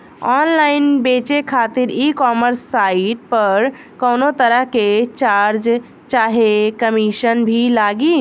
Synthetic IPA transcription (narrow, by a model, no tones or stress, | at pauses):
ɔnlainbet͡ʃekʰat̪iɾikɔməɾsːaiʈ̚pəɾ | kəwnot̪əɾəɦket͡ʃaɾd͡ʒ | t͡ʃaɦekəmiʃənbʱilaɡi